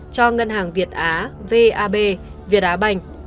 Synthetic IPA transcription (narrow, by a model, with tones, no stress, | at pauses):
t͡ɕɔ˧ŋə˧nɦaː˨˩ŋvi˨˩ət̚ʔaː˨˦ve˧ʔaː˧ɓe˧vi˨˩ət̚ʔaː˨˦ɓa˨˩jŋ̟